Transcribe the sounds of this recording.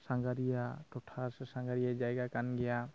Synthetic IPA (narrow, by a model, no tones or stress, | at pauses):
sãŋɡaɾijaʈɔʈʰasɛsãŋɡaɾijad͡ʒaɛɡakanɡɛja